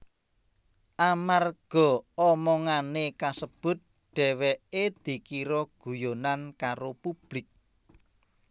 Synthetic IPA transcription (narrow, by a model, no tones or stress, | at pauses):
ʔamarɡ̥ɔ̤ɔmɔŋanekasəb̥ʊ̤t̪̚ | ɖ̥ɛ̤wɛed̪̥i̤kiɾɔɡ̥ṳjonankaɾopub̥lɪk̚